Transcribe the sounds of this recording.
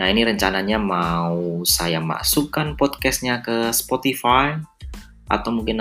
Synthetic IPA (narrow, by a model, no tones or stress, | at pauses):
nainiɾəɲt͡ʃanaɲamausajama̰sukanpɔd̪̚kɛst̪̚ɲakəspɔt̪ifaj | ʔa̰t̪awmuŋkin